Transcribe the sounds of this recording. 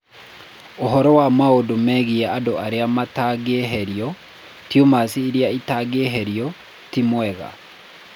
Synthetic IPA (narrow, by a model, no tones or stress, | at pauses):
oɦɔɾɔwamaodomɛɣiɛadoaɾeamataɡeeɦɛɾiɔ | tjomasiːɾjaitaɡeeɦeɾiɔ | timwɛɣa̰